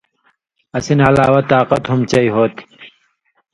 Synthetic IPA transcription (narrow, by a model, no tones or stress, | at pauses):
ɐsinɐlaːwɐt̪aːqɐt̪humt͡ɕɐiɦoːt̪i̥